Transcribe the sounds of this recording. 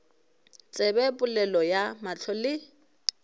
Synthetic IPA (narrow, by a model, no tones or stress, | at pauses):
t͡sʼɛbɛpʼʊlɛlɔjamat͡ɬʰɔlɪ